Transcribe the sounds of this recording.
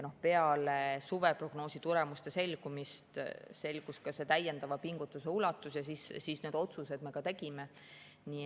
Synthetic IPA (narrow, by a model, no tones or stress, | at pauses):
no̞hpe̞ɑle̞suve̞pro̞ɡ̥no̞ːsit̪uɾe̞must̪e̞se̞lʲɡ̥umist̪se̞lʲɡ̥uskɑse̞t̪æje̞nd̪ɑvɑpiŋɡ̥ut̪ːˑuse̞ulɑt̪ːˑusjɑsissisneːd̪o̞t̪suse̞d̪̥me̞kɑt̪e̞ɡ̥ime̞ | ni